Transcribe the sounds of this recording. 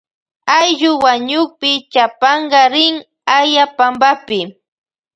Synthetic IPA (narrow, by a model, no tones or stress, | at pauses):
ajʎʊwaɲʊχpɪt͡ʃapɑɴɢɑɾɪŋ | ajapambapɪ